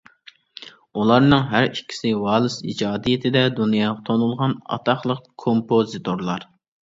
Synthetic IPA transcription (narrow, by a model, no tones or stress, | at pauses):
ulˠɑɾnɨŋɦæɾikʲʰːi̥sɪwɑːlˠɨsid͡ʒɑːd̪ijɪt̪ʰɪd̪ɛd̪unjɑːʁɑt̪ʰonulˠʁɑnɑ̰t̪ʰɑχlˠəqkʰompozɨt̪ʰoɾlˠɑɾ